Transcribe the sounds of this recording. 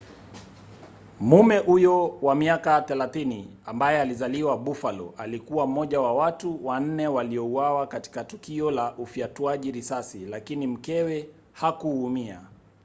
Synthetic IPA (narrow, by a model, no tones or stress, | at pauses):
mumɛʔujɔwamiakaθɛlaθini | ambajɛalizaliwaɓufalɔ̰ʔalikuwam̩mɔʄawawatuwan̩nɛwaliɔuwawakati̥katukiɔlaʔufiatuaʄiɾisasilakinim̩kɛwɛ | hakuːmia